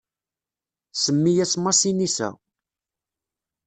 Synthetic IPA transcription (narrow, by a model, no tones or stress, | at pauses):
səmːijæsmɑsinisæ̰